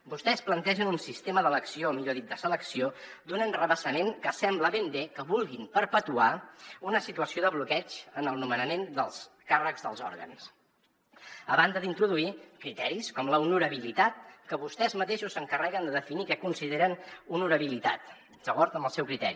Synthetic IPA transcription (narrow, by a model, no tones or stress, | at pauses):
bust̪ɛsplənt̪ɛʒənunsist̪eməðələksiomiʎoðit̪̚d̪əsələksiod̪unənrəβəsəmeŋkəsɛmbləβembekəβulˠɣimpəɾpət̪uaunəsit̪uəsioðəβlukɛt͡ʃənəlˠnumənəmend̪əlˠs | karəɡzðə̰lˠzɔ̰ɾɣə̰ns | əβand̪əðint̪ɾuðuikɾit̪ɛɾiskɔmləunuɾəβilit̪at̪̚kəβust̪ɛzmət̪eʃusəŋkərɛɣənd̪əðəfinikɛkunsiðeɾənunuɾəβilit̪a̰t̪ | z̥əɣɔɾt̪əmbəlˠsɛwkɾit̪ɛ̰ɾi